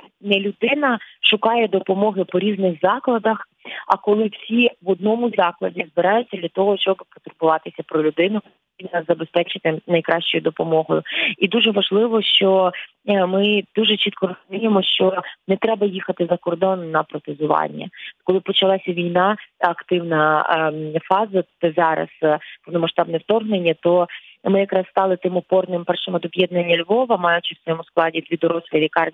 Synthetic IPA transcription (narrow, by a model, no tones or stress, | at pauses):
nɛlʲʊd̪ɪnɐʃʊkɑjɛd̪ɔpɔmɔɦɪpɔɾʲiznɪxzɑklˠɐd̪ɐx | ɐ̰kɔlˠɪw̥sʲiʋɔd̪̚nɔmʊzɑklˠɐdʲizbɪɾɑjʊt͡sʲːɐd̪lʲɐt̪ɔɦɔʃt͡ʃɔbpɔt̪ʊrbʊʋɑt̪ɪsʲɐpɾɔlʲʊd̪ɪnʊ | imnɐzɐbespɛt͡ʃɪt̪ɪnɐjkɾɑʃt͡ʃɔjʊd̪ɔpɔmɔɦɔjʊid̪uʒɛʋɐʒlˠɪʋɔʃt͡ʃɔ | mɪd̪uʒɛt͡ʃit̪̚kɔɾɔzʊmʲijemɔʃt͡ʃɔnɛt̪ɾɛbɐjixɐt̪ɪzɐkɔrd̪ɔnnɐpɾɔt̪ɪzʊʋɑ̰nʲːɐ̰kɔlˠɪpɔt͡ʃɐlˠɑsʲɐʋʲijnɑɐkt̪ɪwnɐ | fɑzɐzɑɾɐ̰z̥pɔwnɔmɐʃt̪ɑbnɛwt̪ɔrɦnenʲːɐt̪ɔ | mɪjɐkɾɑsst̪ɑlˠɪt̪ɪmʊpɔrnɪmpɛrʃɪmɐd̪ɔbjɛd̪nɐnʲːɐlʲʋɔʋɐmɑjʊt͡ʃɪwsʋɔjɔmʊsklˠɑdʲid̪ʲʋʲid̪ɔɾɔsʲlʲiʋʲikɑrʲ